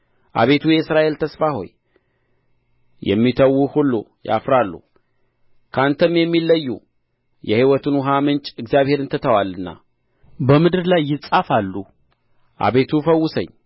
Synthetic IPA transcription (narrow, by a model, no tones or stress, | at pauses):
ʔa̰βe̞t̪ʰujɛɨsɾaʔe̞lt̪ʰəsfaho̞̰j | jɛ̰mːit̪ʰəwːuhulːuja̰fɾalːṵ | kʰant̪ʰəmjɛmːilːəjːṵ | jɛhiwɔt̪ʰɨnwʊɦamɨnt͡ʃʼɨɡzjaβhe̞ɾɨnt̪ʰət̪ʰəwalːɨnːa̰ | bəmɨd̪ɨɾlajːɪsʼafalːu | ʔa̰βe̞t̪ʰufəwːʊsə̰ɲː